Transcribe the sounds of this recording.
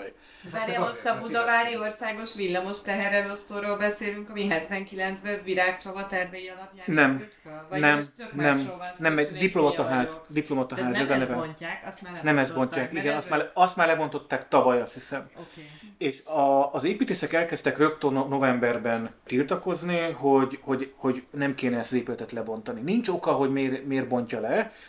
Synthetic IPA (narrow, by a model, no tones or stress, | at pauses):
moʃt̪ɒbud̪ɒvaːɾio̞rsaːɡo̞ʃʋilːɒmo̞ʃt̪ɛɦɛɾɛnost̪oroːlbɛseːlyŋkɒmiɦɛt̪ʋɛŋkilɛnt̪zbɛviɾaːkt͡ʃɒvɒt̪ɛrvɛjiɒlɒpjaːnɛm | nɛmnɛmnɛmɛdiplo̞mɒt̪ɒɦaːzd̪iplo̞mɒt̪ɒɦaːziɛzɛnɛvɛknɛmɛzbo̞ɲcaːkiɡɛnɒst̪maːɒst̪maːrlɛbo̞nt̪o̞t̪ːaːkt̪ɒvɒjɒshisɛm | eːʃɒːzeːpiːt̪eːsɛkɛlkɛst̪ɛkrø̞kt̪onno̞vɛmbɛrbɛnt̪ilt̪ɒko̞zniɦo̞ɟho̞ɟho̞ɟnɛmkeːnɛɛst̪ɒzeːpylɛt̪ɛt̪lɛbo̞nt̪ɒninint͡ʃo̞kɒɦo̞ɟmeːrmeːrbo̞ɲcɒlɛ